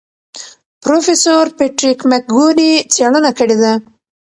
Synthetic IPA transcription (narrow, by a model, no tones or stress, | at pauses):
pɾofesoɾpeʈɾikmak̚ɡolit͡seɽənakəɽed̪a